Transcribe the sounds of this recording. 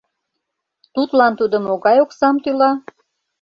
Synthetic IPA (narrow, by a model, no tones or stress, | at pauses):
t̪ut̪lɑnt̪ud̪ə̆moɣɑjoksɑmt̪ylɑ